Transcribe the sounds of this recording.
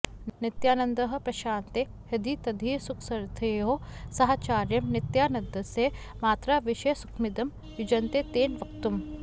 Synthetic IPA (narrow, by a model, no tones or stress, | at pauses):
nɪt̪jaːnɐ̃nd̪ɐɦɐ̆pɾɐʃaːnt̪e | hɐd̪it̪ɐd̪ʱiːsukʰsɐɾt̪ʰɐɦosɐɦaːt͡ʃaːɾjɐmnɪt̪jaːnɐnd̪ɐse | maːt̪ɾaʋɪʃesu̥kʰmid̪ɐm | jud͡ʒɐnt̪eːt̪eːnʋɐkt̪um